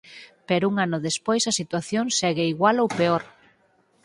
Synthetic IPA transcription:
pɛɾuŋanʊðespojsɐsit̪waθjoŋsɛɣeiɣwalowpeoɾ

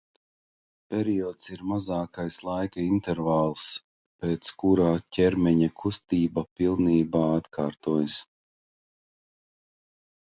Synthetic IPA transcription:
pʲɛɾiɔːt̪siɾmazaːkajslˠajkaint̪ɛɾvaːlˠs | peːt̪skuɾaːcʲʰɛɾmʲɛɲakʰust̪iːbapilˠniːbaːat̪kʰaːɾt̪uɔjs

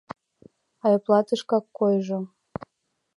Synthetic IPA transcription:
ɑjoplˠɑt̪əʃkɑkːojʒo

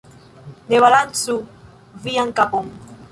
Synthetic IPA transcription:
neβalansu | viaŋkapɔŋ

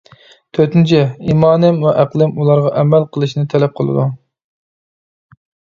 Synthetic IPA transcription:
t̪ʰøt̪ɪnt͡ʃʰɪimɑːnɪmwɛʔæqlˠɨmulˠɑɾʁɑʔɛmælqʰəlˠɨʃnɨt̪ʰɛlɛp̚qʰəlˠɨ̰d̪u

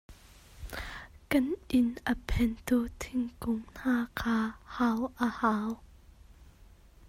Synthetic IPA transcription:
kɐnʔɪnʔəpʰɛnt̪ut̪ʰɪŋkʊŋn̥aːkʰaːhawʔəhaːw

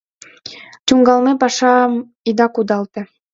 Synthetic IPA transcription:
t͡ɕuŋɡɑlˠmepɑʃɑ | id̪ɑkud̪ɑlˠt̪ɤ̆

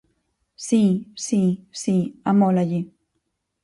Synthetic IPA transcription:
sisisiamolaʎi

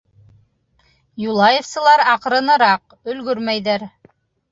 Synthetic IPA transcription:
julˠɑjefsɤ̆lˠɑɾɑq̆ɾɤ̆nɤ̆ɾɑq | ɵ̆lɡɵɾmæjðæɾ

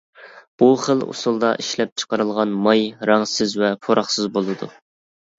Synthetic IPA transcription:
b̥uχəlˠṵsulˠd̪ɑ̰ʔiʃlɛp̚t͡ʃʰə̥qəɾɨlˠʁɑnmɑjɾɑŋsɪzvɛpʰoɾʔɑχsɨzbolˠɨd̪u

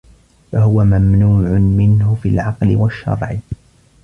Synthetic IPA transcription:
fahʊwamamnuːʕʊmɪnhʊfilʕɑqlɪwaʃːɑ̰ɾˤʕɪ

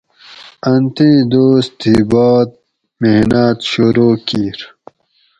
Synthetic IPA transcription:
ɐnt̪ĩːd̪oːst̪ibɔːt̪̚ | mehnat̪ɕuɾoːkiːɾ

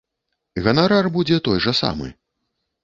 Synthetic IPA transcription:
ɣɐnaɾarbud͡zʲɛt̪ɔjʐɐsa̰mɨ̰

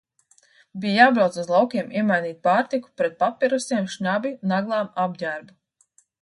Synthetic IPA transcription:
bijjaːbɾawt̪suzlˠawkʲiɛmʔiɛmajniːt̪̚paːɾt̪iku̥pɾɛt̪̚papʲːiɾusiɛmʃɲabʲinaɡlˠaːmab̚ɟʲæɾbu

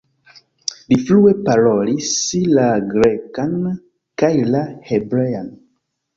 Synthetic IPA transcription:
liflue̞paɾo̞lislaɡɾekan | kajlahebɾejan

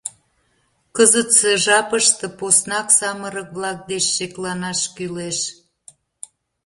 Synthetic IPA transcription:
kəzət̪seʒɑpəʃt̪ĕposnɑksɑməɾək̚βlɑk̚d̪et͡ɕːeklɑnɑʃkyleʃ

